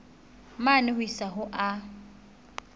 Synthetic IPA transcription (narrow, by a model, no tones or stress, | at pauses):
manɪɦʊisaɦʊʔa